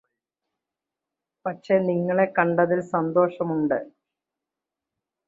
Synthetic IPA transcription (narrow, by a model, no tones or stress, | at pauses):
pɐtʂe̞ːniŋːɐɭe̞kɐɳɖɐðilsɐnd̪o̞ːʂɐmuɳɖɨ